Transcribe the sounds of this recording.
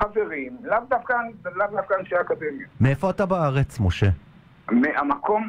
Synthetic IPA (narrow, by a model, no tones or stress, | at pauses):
aveʁimlavd̪afkanlavd̪afkanʃeakad̪emjameefo̞atabaaʁet͡smoʃe̞ | meʔamakom